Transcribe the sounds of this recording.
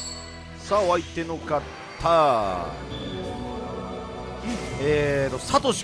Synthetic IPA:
saːβait̪e̞nokat̪ʰːa | et̪osat̪oɕi̥

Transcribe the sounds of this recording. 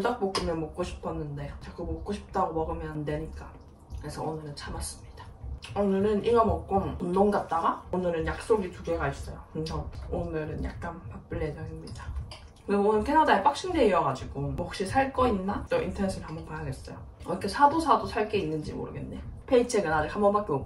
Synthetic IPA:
t͈ak̚pok͈ɯmjʌnmok̚k͈oɕʰi̥pʰʌnːɯnde̞t͡ɕak͈ɯmok̚k͈oɕʰi̥p̚t͈aɡomʌɡɯmjʌnde̞ɲik͈a | kɯɾesʰʌ̰onɯɾɯnt͡ɕʰamas͈ɯmɲid̥ḁonɯɾɯnʔiŋʌmʌk͈onondoŋɡat̚t͈aɡaonɯɾɯnjak̚s͈oɡituɡe̞ɡais͈ʌjokɯɾesʰʌonɯɾɯnja̰k̚k͈anpap͈ɯɭːed͡ʑʌŋimɲid̥a | kɯɾiɡonɯɭkʰe̞nadaep͈ak̚ɕ͈inde̞iʌɡad͡ʑiɡomɦʌk̚ɕ͈isʰaɭk͈ʌinːat͈oḭntʰʌnes͈ʰɯɾɯɭhambʌnpajaɡe̞s͈ʌjo | ɾʌkʰesʰadosʰadosʰaɭk͈e̞inːɯnd͡ʑimo̰ɾɯɡe̞nːe̞̰jopʰe̞it͡ɕʰeɡɯnad͡ʑikhambʌnpak͈eo

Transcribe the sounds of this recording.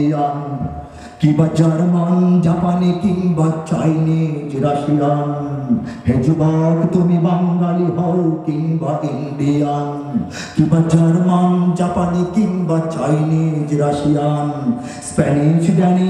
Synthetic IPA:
jaːn | kibɐd͡ʒɐɾmaːnd͡ʒɐpanikimbɐt͡ʃainid͡ʒɾɐʃijaːn | ɦed͡ʒubaːkt̪umibɐŋɡaliɦɐwkimbɐd̪inb̪ijaːn | kibɐd͡ʒɐɾmand͡ʒɐpanikimbɐt͡ʃainid͡ʒɾɐʃijaːn | spɛniʃd̪ɛni

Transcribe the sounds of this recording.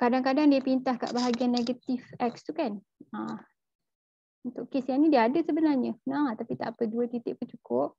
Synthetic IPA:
kadaŋkadaŋdiəpint̪ahka̰ʔbaɦaɡianːeɡət̪ifɛk̚st̪ukan | a | unt̪ʊʔkesjanĩdiəadəsəbənarɲənãt̪apit̪a̰ʔpəduət̪it̪ɪʔpʊnt͡ʃukʊp̚

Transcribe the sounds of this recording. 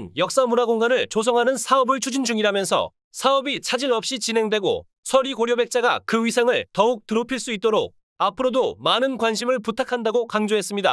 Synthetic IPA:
njʌk̚s͈amunaɡoŋɡanɯɭt͡ɕosʰʌŋɦanɯnsʰaʌbɯɭt͡ɕʰud͡ʑind͡ʑuŋiɾamjʌnsʰʌ̰ | sʰaʌbit͡ɕʰad͡ʑinʌp̚ɕ͈it͡ɕinɦe̞ŋdwe̞ɡo̰ | sʰʌɾiɡoɾjobe̞k̚t͡ɕ͈aɡa̰kɯɥisʰaŋɯɭtʌuk̚tɯɾopʰiɭs͈uit̚t͈oɾo̰k̚ | apʰɯɾodomanɯnkwanɕʰimɯɭputʰakʰandaɡokaŋd͡ʑoɦe̞s͈ɯmɲida̰

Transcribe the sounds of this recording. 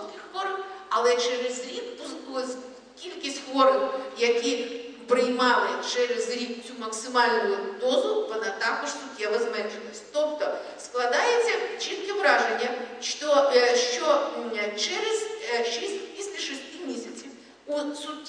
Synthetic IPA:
kʲɪxʋɔɾɐwɐlˠɛt͡ʃɛɾɪzɾʲikpʊ | kʲilʲkʲisʲtʲxʋɔɾɔwjɐkʲipɾɪjmɑlˠɪt͡ʃɛɾezɾʲik̚t͡sʲumɐksɪmɑlʲnʊd̪ɔzʊʋɔnɐt̪ɑkɔʒ̥sʊtʲːɛʋɐzmɛnʒenɔsʲtʲt̪ɔpt̪ɔ | sklˠɐd̪ɑjet͡sʲːɐt͡ʃʲit̪ʲkɪʋɾɑʒenʲːɐʃtɔʃt͡ʃɔt͡ʃɛɾezʃisʲtʲpʲisʲlʲɐʃɪsʲtʲimʲisʲɐt͡sʲiw | usʊtʲː

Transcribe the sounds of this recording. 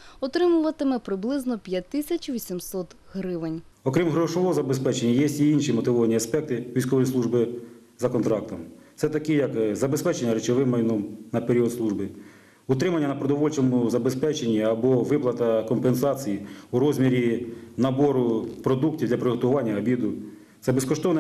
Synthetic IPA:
ɔt̪ɾɪmʊʋɐt̪ɪmɛpɾɪblˠɪznɔpʲjɐtt̪ːɪsʲɐt͡ʃʋʲisʲimsɔt̪ | ɦɾɪʋɪnʲ | ɔkɾʲimɦɾɔʃɔʋɔɦɔzɐbespɛt͡ʃenʲːɐjɛsʲtʲiinʃimɔt̪ɪʋɔʋɐnʲiɐspɛk̚t̪ɪʋʲijsʲkɔʋɔjslˠuʒbɪ | zɐkɔnt̪ɾɑk̚t̪ɔmtsɛt̪ɐkɪjɐkzɐbespɛt͡ʃenʲːɐɾet͡ʃɔʋɪmːɐjnɔmnɐpeɾʲiɔt̪sˠuʒbɪ | ʊt̪ɾɪmɐnʲːɐnɐpɾɔd̪ɔʋɔlʲt͡ʃɔmʊzɐbe̞spɛt͡ʃenʲːiɐbɔʋɪplˠɐt̪ɐkɔmpensɑt͡sʲijiuɾɔzʲmʲiɾʲinɐbɔɾʊpɾɔd̪uktʲiwd̪lʲɐpɾɪɦɔt̪ʊʋɑnʲːɐɐbʲid̪ʊ | t̪ɛbeskɔʃt̪ɔʋnɛ

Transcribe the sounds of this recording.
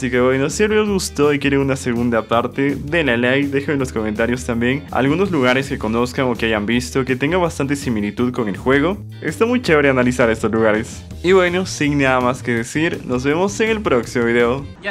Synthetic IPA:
asike̞βwe̞nosjelozɣust̪o̞ikje̞ɾeŋunase̞ɣund̪apaɾt̪e̞ðe̞lalejd̪e̞xoenlo̞sko̞mẽnt̪aɾjo̞st̪ambje̞ŋa̰lɣuno̞zluɣaɾe̞ske̞ko̞no̞skaŋo̞keaʝambist̪o̞ke̞t̪e̞ŋɡaβast̪ant̪e̞similit̪uðko̞ŋe̞lxwe̞ɣ̞o̞ | ḛst̪amujt͡ʃe̞βɾeanalisaɾe̞st̪o̞sluɣaɾes | iβwe̞no̞siŋnaðamaske̞ðesiɾno̞zβe̞mo̞se̞ŋe̞lpɾoksimoβiðeo

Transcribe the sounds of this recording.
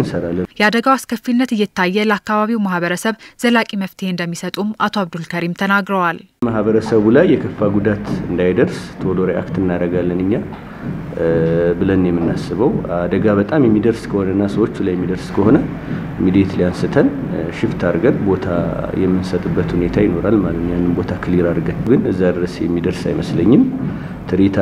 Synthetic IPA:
ɨnsəɾalːənjɛad̪əɡawaskʰəfːinːət̪ɨjːɛt̪ʰːajːɛləakːaβaβiwmahβəɾəsəβz̥əlakʼiməft̪ʰihend̪əmːisət̪ʼumʔat̪ʰoaβd̪ulkʰəɾimt̪ʰənaɡɾəwal | mahβəɾəsəβulajːɛkʰəfːaɡud̪at̪ɨnd̪ajd̪əɾst̪ʰoloɾiʔa̰kt̪ɨnːaɾəɡalːənɨɲːa | bɨlənjɛmːɨnːasːɨβəwad̪əɡaβət̪ʼamjɛmːid̪əɾskʰəho̞nənːasəwo̞t͡ʃːulajɛmːid̪əɾskʰəho̞nə | mid̪jet̪lijansɨt̪ʰən | ʃɪft̪ʰaɾɡət̪bo̞t̪ʰa̰jɛmːɨnsət̪ʼɨbːət̪hune̞t̪ʰajɪno̞ɾalmalət̪ɲːanːɨmbo̞t̪ʰakʰɨliɾaɾɡət̪ɡɨnɨzːad̪ɨɾəsjɛmːid̪əɾsa̰jməsləɲːɨm | t̪ʰɨɾit̪ʰ

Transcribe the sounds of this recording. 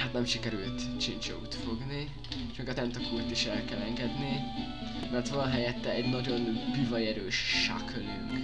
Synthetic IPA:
hat̪nɛmʃikɛɾylt̪t͡ʃint͡ʃo̰ṵt̪fo̞ɡni | ʃmeːɡɒt̪ɛnt̪okuːrt̪iʃɛlkɛlɛŋɡɛd̪ni | mɛrt̪ʋɒlɒɦɛjɛt̪ːɛɛɟnɒɟo̞nbyvɒjɛɾøːʃʃa̰kʰøly̰ŋk

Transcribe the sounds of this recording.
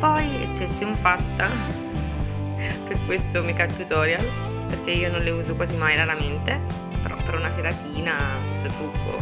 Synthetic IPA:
pɔjḛt͡ʃːet̪sːjonfat̪ːa | perkwest̪omikat̪ːut̪ɔːɾjal | perk̟eiːonõnleuːzokwaːzimajɾaɾament̪e | peɾɔ̰pːeɾunaseɾat̪iːnakwest̪ot̪ɾukʰːo̰

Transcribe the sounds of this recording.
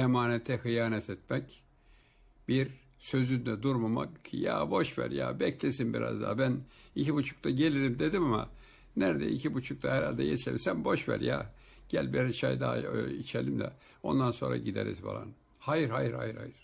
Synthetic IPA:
emaːnet̪ʰɛhɯjaːnɛt̪ʰɛt̪̚mɛc | biɾ | sø̞zynd̪ɛd̪uɾmama̰kcʰḭjaːbo̞ʃvæ̰ɾja̰bɛclʲesinbiɾa̰zd̪a̰ːbænicʰibut͡ʃʰu̥k̚t̪ʰaɟe̞lʲiɾimd̪e̞d̪imama̰ | næɾd̪ɛ̰icʰibut͡ʃʰuk̚t̪ʰahɛɾalʲd̪ɛ̰jet͡ʃʰelimsænbo̞ʃvæ̰ɾjaː | ɟ̥ælʲbiɾʃajd̪aːit͡ʃʰelʲimd̪ɛ̰ | o̞̰nd̪anso̞nɾa̰ɟid̪ḛɾḭzba̰lˠa̰n | hajiɾhajiɾha̰jiɾha̰jiɾ̥

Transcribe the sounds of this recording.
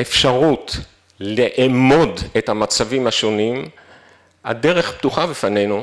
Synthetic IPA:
efʃaʁut | leʔamo̞dethamat͡savimhaʃo̞nim | a̰de̞ʁe̞χptuχabefane̞jnu

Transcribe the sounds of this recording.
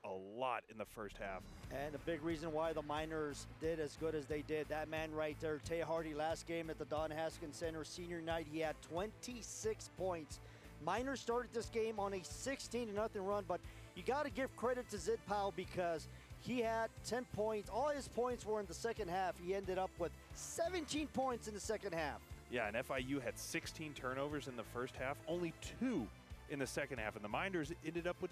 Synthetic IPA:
ə̰llɔ̰ɾɨ̰̃nðəfɜ̰˞st̚hæ̰f | ɨ̃nɨbɪɡɹizɨ̃nwaɪðəmãɪ̃nə˞zdɪɾɨzɡʊɾɨzðeɪdɪd̪̚ðɨt̚mæ̃nɹaɪt̪̚ðə˞tʰeɪɦɑɹɾilæst̚ɡ̥ẽɪ̃mɨt̪̚ðədɑ̃nɦæskɨ̃nsɛ̃ñə˞sĩnjə˞naɪt̚hiɨd̚tʰw̥ɛ̃ntʰisɪkspʰɔ̃ɪ̃nts | mãɪ̃nə̥˞stɑɹɾɨd̪̚ðɪsɡ̥ẽɪ̃mə̃nɨsɪkstʰĩnɨnʌθɪ̃ŋɹʌ̃nbʌt͡ʃ | jɨɡɑɾɨɡɪv̥kʰɹ̥ɛɾɨtʰɨzɪd̚pʰaʊlˠbɨkʰʌz̥ | iɨd̚tʰɛ̃npʰɔ̃ɪ̃ntsɔlˠɪz̥pʰɔ̃ɪ̃ntswə˞ɨ̃nðəsɛkɨ̃nd̚hæfhiɛ̃ndɨɾʌpwɪð̥sɛvɨ̃ntʰĩnpʰɔ̃ɪ̃ntsɨ̃n̩ðɨsɛkɨ̃nd̚hæfjæɨ̰̃nɛfaɪjʉɨd̥sɪkstʰĩntʰɜ̃˞noʊvə˞zɨ̃nðəfɜ˞st̚hæfõʊ̃nlitʰu | ɨ̃nðɨsɛkɨ̃nd̚hæ̰fn̩ðəmãɪ̃ndə˞zɛ̃ndɨɾʌpwɨð̥

